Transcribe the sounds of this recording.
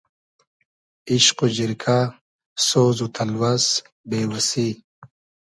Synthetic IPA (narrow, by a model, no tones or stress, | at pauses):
iɕqud͡ʑiɾkʰa | soːzut̪ʰɐlwɐs | beːwɐsi